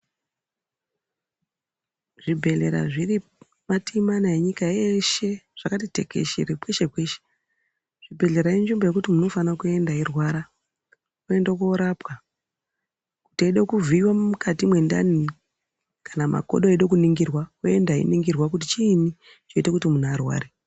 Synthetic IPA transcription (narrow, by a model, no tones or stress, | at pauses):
ʐ̥ibʱe̞ɮe̞ɾa̰ʐiri | matimanaeɲikaeʃe̞ʐ̥akatite̞̰ke̞̰ʃḛrepweʃepweʃe̥ | ʐ̥ibʱe̞ɮe̞ɾaind͡ʒimbaje̞kutimuno̞fanakue̞ndairwaɾa | kue̞ndakoɾapwa | kutieiɗokuvʱiwamukʰatimwe̞nda̰ni | kanamʔa̰ko̞̰ɗoaiɗok̬uniŋɡirwakue̞ndaḭniŋɡirwak̬utit͡ʃiːni | t͡ʃo̞itekutimunːrwa̰ːɾe